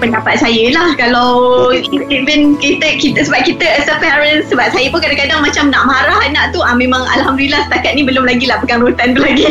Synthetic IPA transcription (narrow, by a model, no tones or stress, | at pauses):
pəndapat̪̚sajəlahkalaw | ivənkit̪əkit̪əsəbap̚kit̪əəsəpɛɾənsːəbap̚sajəpʊnkadãkadaŋmãt͡ʃamnaʔmaɾaɦanaʔt̪uamẽmãŋa̰lɦamdulilahsə̥t̪akat̪̚nĩbəlʊmlaɡilahbəkanɾut̪ant̪ulaɡi